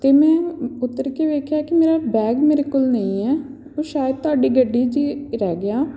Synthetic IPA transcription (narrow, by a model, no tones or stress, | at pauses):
t̪eːmɛ̃ːʊt̪ːəɾkeːʋeːkʰjaːkɪmeːɾaːbɛːɡmeːɾekʊlnə̃ĩːɛː | oːʃaːjəd̪̚t̪ʊaːɖiːɡəɖːiːd͡ʒiːɾɛːɡɪaː